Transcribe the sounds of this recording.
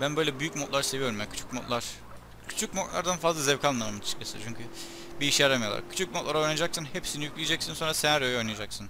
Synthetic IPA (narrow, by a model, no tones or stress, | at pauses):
bænbø̞jlʲɛbyjycmot̪lˠaɾse̞vijo̞ɾumjakʰy̥t͡ʃʰy̥cmot̪lˠaɾ̥ | cʰy̥t͡ʃʰyc̚mo̞t̪lˠa̰ɾd̪anfazlˠazɛvkʰalnmːˠamamɯnʰɯʃkʰasɯ̰t͡ʃʰyɲcʰy | biːʃjaɾamajolˠa̰kʰy̥t͡ʃʰyc̚mot̪lˠaɾo̞jnaad͡ʒaksɯnhepsinijyclʲijed͡ʒɛcsinso̞nɾasenæɾøjo̞jnijad͡ʒaksɯn